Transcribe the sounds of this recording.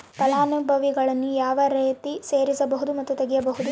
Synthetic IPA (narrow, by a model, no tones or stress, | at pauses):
pɐlaːnubʱɐʋiɡɐɭɐnːujaːʋɐɾeːt̪iseːɾisɐbɐɦud̪umɐt̪ːut̪eɡijɐbɐɦud̪u